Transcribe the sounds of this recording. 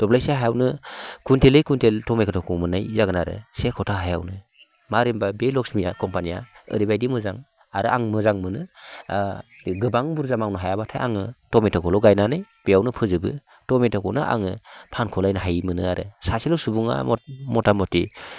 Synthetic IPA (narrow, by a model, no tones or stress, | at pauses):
d̥ɔblajseɦajawnɯkuntelɯjkuntʰeltɔmekʰɯtʰɔkʰɔmɯnajzaɡɯnaɾɯ̰sekʰɔtʰaɦaja̰wnɯ | maɾimbabelɔksmijakɔmpanija̰ɯ̰ɾibajdimɯzaŋ | aɾɯʔaŋmɯzaŋmɯnɯ | ɡɯbaŋbuɾzamawnɯɦajabatʰajʔa̰ŋɯtɔmetʰɔkʰɔlɔɡajnanɯjb̥ejawnɯpʰɯzɯbɯ | tɔmetʰɔkʰɔnɯʔa̰ŋɯpʰankʰɔlajnɯɦajmɯnɯaɾɯ̰sasilɯwsubuŋa̰mɔtamɔti